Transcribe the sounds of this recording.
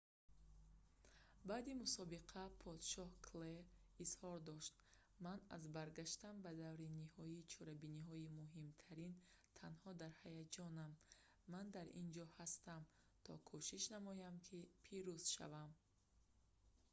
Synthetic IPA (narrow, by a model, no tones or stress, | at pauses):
bad̪imusɔbiqʰapʰɔd̪ʃɔhkʰleɾizhɔɾd̪ɔʃt̪ | mana̰zbaɾɡaʃt̪anbad̪avɾinihɔit͡ʃʰɔɾabiniɦɔimuɦimt̪ʰaɾin | t̪ʰanhɔd̪aɾhajad͡ʒɔnamː | and̪aɾḭnd͡ʒɔhast̪am | t̪ʰɔkʰɔʃiʃnamɔjamkʰipʰiɾuz̥ʃa̰vam